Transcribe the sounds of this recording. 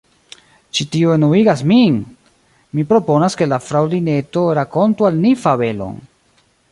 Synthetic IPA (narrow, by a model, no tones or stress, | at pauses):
t͡ʃitioenuiɡasmiŋ | mipɾo̞po̞naske̞lafɾawline̞to̞ɾako̞ntualnifave̞lo̞̰n